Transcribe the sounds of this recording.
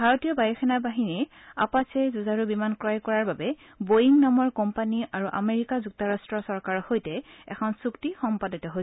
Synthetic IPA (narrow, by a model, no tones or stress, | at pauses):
bʱaɹɔtijɔbajɔkʰɛnabaɦini | a̰pasejzuzaɹubimankɹajkɔɹaɹbabɛ | bojiŋnɔmɔɹkɔmpaniʔaɹuʔameɹikazuk̚tɔɹastɹɔsɔɹkaɹɔhojtɛɛ̰kʰɔnsuktixɔmpaditɔɦojsɛ